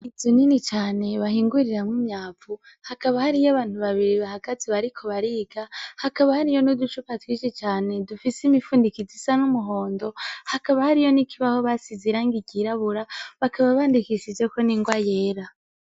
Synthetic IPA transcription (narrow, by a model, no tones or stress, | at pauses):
izininit͡ʃaːne̞βaɦiːŋɡuɾiɾamumɲaːfu | hakaβahaɾijaβaːn̥huβaβiɾiβahaɡaziβaɾikʰo̞βaɾiːɡahakaβahaɾijo̞nudut͡ʃupatwiʃet͡ʃaːne̞dufisimifuːndikizisanumuɦo̞ːndo̞hakaβahaɾijo̞nikʰiβaho̞βasiziɾaːŋɡiɟiɾaβuɾaβakʰaβaβaːndikiʃid͡ʒeko̞niŋɡwaje̞ːɾa